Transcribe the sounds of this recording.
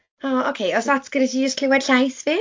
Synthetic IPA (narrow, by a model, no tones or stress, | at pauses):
oːokʰejɔsðatʰɡ̥əɾɛtid͡ʒɪstkʰl̥ɪwɛd̥ɬajθviː